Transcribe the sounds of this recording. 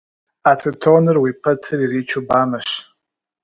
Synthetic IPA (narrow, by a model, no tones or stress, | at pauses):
at͡sʰɨtʰownɨrwipʰɐtʰɨririːt͡ʃʰubaːmɐʃ